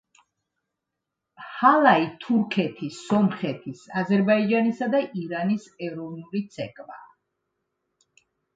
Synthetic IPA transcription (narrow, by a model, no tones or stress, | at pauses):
halˠait̪ʰuɾkʰɛt̪ʰisɔmχɛt̪ʰisazɛɾbaid͡ʒanisad̪aʔiɾanisɛvɾɔvnulit̪sʰɛkʼva̰